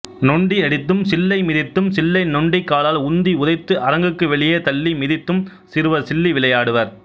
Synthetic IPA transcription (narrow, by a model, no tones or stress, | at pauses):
nɔɳɖiɐɽɪt̪ːɯmsɪlːɐɪmɪðɪt̪ːɯmsɪlːɐɪnɔɳɖɪkːaːlaːlʊnd̪iʊðɐɪt̪ːɯʔɐɾɐŋɡɯkːɯʋɛɭɪjeːt̪ɐlːimɪðɪt̪ːɯm | sɪɾɯʋɐsɪlːiʋɪlɐjaːɽɯʋɐɾ